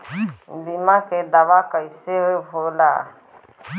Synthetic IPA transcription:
limaked̪aʋakəɪseɦoɦola̰

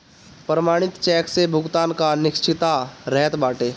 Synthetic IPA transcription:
pɾəmaːɽ̃ɪt̪t͡ʃɛːksebʱʊɡt̪aːnkanɪkt͡ʃɪt̪aɾɛɦɛt̪baːʈeː

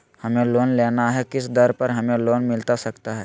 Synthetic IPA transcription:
hɐmeloːnleːnaɦɛkɪsd̪əɾpɐɾɦɐmẽloːnmɪlt̪asɐkt̪aɦɛ̰ː

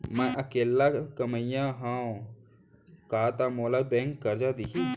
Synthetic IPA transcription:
mɛ̃ʔəkeːlːakəməjãɦãõ | kaːt̪amoːlabɛ̃ːŋkːəɾd͡ʒad̪iki

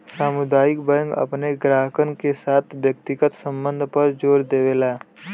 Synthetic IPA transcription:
saːmʊd̪aːɪkbəə̃ŋɡɐ̰pneɡɾaːɦəkənkesaːt̪ʰʋjək̚t̪ɪɡət̪sə̃mbə̃nd̪ʱpəɾd͡ʒoːɾd̪eːʋelaː

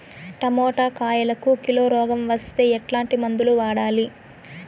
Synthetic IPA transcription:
ʈɐmɔːʈaːkaːjɐlɐkukiloːɾɔːɡɐmʋɐst̪e̞ːɛʈlaːɳʈimɐnd̪uluʋaːɽaːli

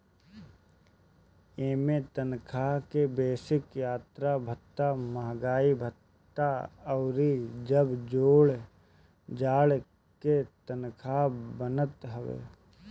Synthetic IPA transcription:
eːmẽt̪ənkʰakebeːsɪkjaːt̪ɾabʱət̪ːamaːɡaːibʱət̪ː | aɔːɾid͡ʒəbd͡ʒoːɽ | d͡ʒaːɽ | ket̪ənkʰabənət̪ɦəʋḛː

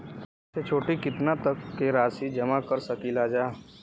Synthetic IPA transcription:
set͡ʃʰoːʈikɪt̪nat̪əkːeɾaːsid͡ʒɐmakəɾsɐkilad͡ʒaː

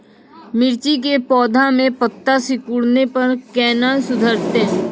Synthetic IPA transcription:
mɪɾt͡ʃik̬epɔːd̪ʱamẽpət̪ːasɪkʊɽnepɐɾkɛːnasʊd̪ʱəɾt̪eɦɛ̃

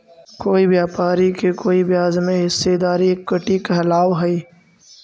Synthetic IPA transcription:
koːibjaːpaːɾikekoːibjaːzmẽɦɪsːed̪aːɾiekːəʈikɐɦɐlaːwɦɐiː

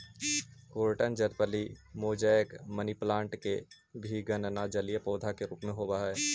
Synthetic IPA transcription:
koːɾʈənd͡ʒəɾpəlimoːd͡ʒajəkməniplãːɳʈke | bʱiɡənnad͡ʒəlijepɔːd̪ʱakeɾuːpmẽɦobaɦɛː

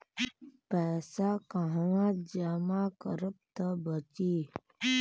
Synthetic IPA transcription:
pɛːsakəɦwãd͡ʒamakəɾəp̚t̪əbət͡ʃiː

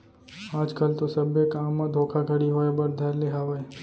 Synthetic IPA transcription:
ad͡ʒkalt̪osəbjəkamːãd̪ʱokʰaɡʱəɽiɦojbəɾd̪ʱjaɾleɦaʋaj

